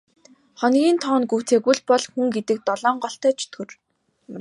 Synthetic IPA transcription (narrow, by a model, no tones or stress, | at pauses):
χɔnɡʲiːnt̪ʰɔːnɡuːt͡sʰeːɡuɮpɔɮxuŋɡet̪ɘ̆k̚t̪ɔɮɔːɴɢɔɬt̪æːt͡ɕʰɵ̥t̪ɡɵ̆r